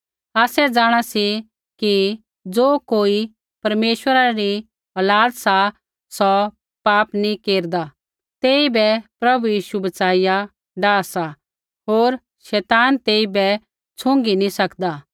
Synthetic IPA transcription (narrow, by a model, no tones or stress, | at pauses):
aːsɛd͡zaːɽ̃asi | ki | d͡zoːkoːi | pɐɾmeːʃwəɾaɾi | ɔːlaːt̪sa | sɔ | paːpnĩkeːɾd̪a | t̪eːibɛpɾɐbujiːʃubɐt͡saːija | ɖaːsa | ɦoːɾ | ʃɛːt̪aːnt̪eːibɛ | t͡sʰʊ̃ŋɡinĩsɐkd̪a